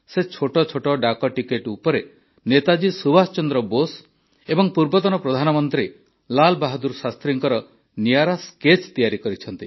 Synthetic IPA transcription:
set͡ʃʰoʈɔt͡ʃʰoʈɔɖakɔʈikeʈupɔɾe | net̪ad͡ʒisubast͡ʃɔnd̪ɾɔbos | ebɔŋpuɾbɔt̪ɔnɔpɾɔd̪ʱanɔmɔnt̪ɾi | lalbaɦɔd̪uɾsast̪ɾiŋkɔɾɔ | nijaɾasket͡ʃt̪ijaɾikɔɾit͡ʃʰɔnt̪i

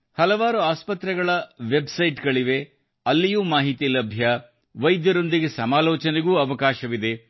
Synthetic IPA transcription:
hɐlɐʋaːɾuaːspɐt̪ɾɛɡɐɭɐʋebsɐjʈɡɐɭiʋe̞ | ɐlːijuːmaːɦit̪iːlɐbʱjɐ | ʋɐjd̪jɐɾo̞nd̪iɡe̞sɐmaːlɔːt͡ʃɐneɡuːɐʋɐkaːʃɐʋid̪e̞

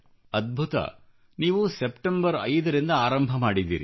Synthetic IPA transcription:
ɐd̪̚bʱut̪ɐ̰ | niːʋusepʈembɐɾɐjd̪ɐɾind̪ɐaːɾɐmbʱɐmaːɽid̪ḭːɾḭ

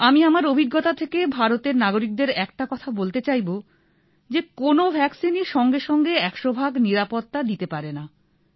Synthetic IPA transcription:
amiamaɾobʱiɡːot̪at̪ʰekebʱaɾot̪eɾnaɡoɾik̚d̪eɾɛk̚ʈakɔt̪ʰabolt̪et͡ɕajbo | d͡ʑekonobʱɛksiniʃɔŋɡeʃɔŋɡeɛkʃobʱaɡniɾapot̪ːad̪it̪epaɾena

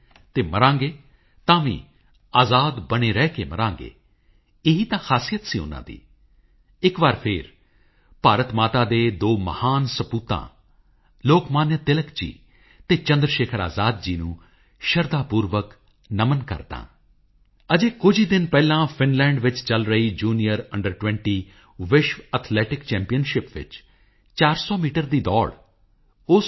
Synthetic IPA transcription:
t̪eːməɾãːŋɡeː | t̪ãːʋḭ̃ː | aːzaːd̪bəɽneːɾɛːkeːmə̰ɾãːŋɡḛː | ɪɦiːt̪ãːxʰaːsijət̪siːʊ̰nːã̰ːd̪ḭː | ɪkʋaːɾpʰɪːɾ | paːɾət̪maːt̪aːd̪eːd̪oːməhaːnsəpuːt̪ã̰ː | loːkmaːnjət̪ɪləkd͡ʒḭː | t̪eːt͡ʃə̃nd̪ɾəʃeːkʰəɾa̰ːzaːd̪̚d͡ʒiːnṵ̃ː | ʃəɾd̪aːpuːɾʋək | nəmənkə̰ɾd̪ã̰ː | əd͡ʒeːkʊd͡ʒiːd̪ɪnpɛːlãːpʰɪnlɛ̃ːɳɖʋɪt͡ʃt͡ʃəlɾəiːd͡ʒuːnijəɾəɳɖəɾʈwʋɛ̃ːɳʈiː | ʋɪʃʋət̪ʰlɛːʈɪkt͡ʃɛ̃ːmpijənʃɪpʋɪ̰t͡ʃ | t͡ʃaːɾsɔːmiːʈəɾd̪iːd̪ɔ̰ːɽ | ʊs

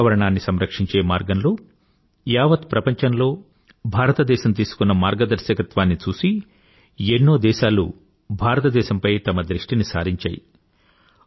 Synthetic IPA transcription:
ʋɐɾɐɳaːnːisɐmɾɐkʂiɲt͡ʃe̞ːmaːɾɡɐnloː | jaːʋɐt̪pɾɐpɐɲt͡ʃɐnlo̞ː | bʱaːɾɐt̪ɐd̪ɛːʃɐmt̪iːsu̥kunːɐmaːɾɡɐd̪ɐɾʃjɐkɐt̪ʋaːnːit͡ʃuːsi | enːo̞ːd̪ɛːʃaːlṵ | bʱaːɾɐt̪ɐd̪ɛːʃɐmpɐjt̪ɐmɐd̪ɾiʂʈinisa̰ːɾiɲt͡ʃa̰ːjḭ

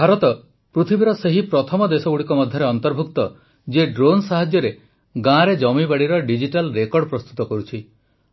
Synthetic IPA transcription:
bʱaɾɔt̪ɔ | pɾut̪ʰibiɾɔseɦipɾɔt̪ʰɔmɔd̪esɔɡuɽikɔmɔd̪ʱjɔɾeɔnt̪ɔɾbʱukt̪ɔ | d͡ʒeɖɾonsaɦad͡ʒjɔɾe | ɡãɾed͡ʒɔmibaɽiɾɔɖid͡ʒiʈalɾekɔɾɽpɾɔst̪ut̪ɔkɔɾut͡ʃʰi

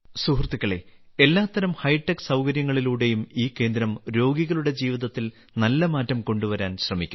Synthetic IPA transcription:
suɦrt̪ːikʲːɐɭe̞̰e̞lːaːt̪ːɐɾɐmhɐjʈːɐksɐwkɐɾjɐŋːɐɭiluːɽe̞jumiːkːe̞ːnd̪ɾɐmɾo̞ːɡiɣɐɭuɽe̞d͡ʑiːʋiðɐt̪ːil | nɐlːɐmaːtːɐmko̞ɳɖuʋɐɾaːnɕrɐmikʲːum

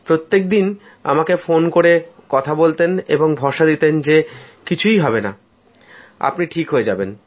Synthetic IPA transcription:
pɾot̪ːek̚d̪in | a̰makefonkoɾekɔt̪ʰabolt̪enḛboŋbʱɔʃad̪it̪end͡ʑekit͡ɕʰujɦɔbena | a̰pniʈʰikɦoed͡ʑaben

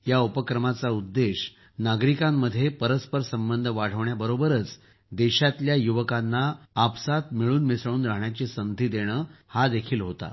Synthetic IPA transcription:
jaupəkɾəmat͡saud̪ːeɕ | naɡɾikamːəd̪ʱːjepəɾəspəɾsəmbənd̪ʱəʋaɽ̤əʋɳjabəɾobəɾət͡s | d̪eɕat̪ljajuʋəkanːaːpsat̪miɭuːnmisɭ̃uːnɾaɦɳjat͡ɕesənt̪iːd̪eɽ̃əːhad̪ekʰiːlɦot̪a̰

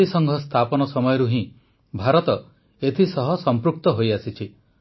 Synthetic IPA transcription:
isɔŋɡʱɔst̪ʰapɔnɔsɔmɔjɔɾuɦĩ | bʱaɾɔt̪ɔ | et̪ʰisɔɦɔsɔmpɾuk̚t̪ɔɦojasit͡ʃʰi

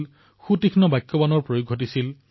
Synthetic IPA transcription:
l | xutikʰnɔbajkːɔbanɔɹpɹojoɡʱot̬isil

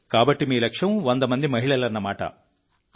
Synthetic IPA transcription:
kaːbɐʈːimiːlɐkʂɐmʋond̪ɐmɐnd̪imɐɦiɭɐlɐnːɐmaːʈɐ̰

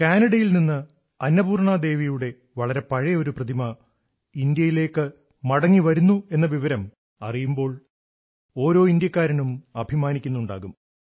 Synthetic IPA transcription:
kaːnɐɽɐjilninːɨ | ɐnːɐbuːrɳad̪e̞ːʋijuɽe̞ | ʋɐɭɐɾe̞pɐɻɐo̞ɾuprɐd̪imɐ | ind̪jɐjile̞ːkːɨ | mɐɽɐŋːiʋɐɾunːue̞nːɐʋiʋɐɾɐm | ɐrijumbo̞ːɭ | o̞ːɾo̞ːind̪jɐkːaːɾɐɳumɐbʱimaːnikʲːunːuɳɖa̰ːɣum

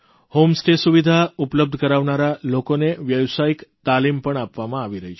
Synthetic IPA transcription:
homsʈesuʋid̪ʱaupləb̚d̪ʱəkəɾaʋnaɾalokoneʋjəʋsaikt̪alimpəɳapʋamãaʋiɾəɦi

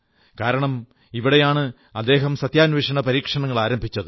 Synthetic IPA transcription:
kaːɾɐɳɐm | iʋiɽejaːɳɨ | ɐd̪ːe̞ːɦɐmsɐt̪jaːnʋeːʂɐɳɐpɐɾiːkʂɐɳɐŋːɐɭaːɾɐmbʱit͡ɕːɐðɨ

